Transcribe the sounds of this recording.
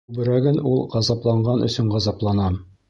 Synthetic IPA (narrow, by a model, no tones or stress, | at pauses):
bɘ̆ɾæɡɘnulˠʁɑzɑplˠɑɴɢɑnɵ̰̆sɵɴʁɑzɑplˠɑnɑm